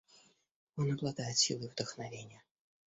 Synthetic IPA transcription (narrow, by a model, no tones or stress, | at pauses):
ɔnɐblˠad̪ajɪt̪sʲḭlˠɨvd̪əxnavʲenʲɪjə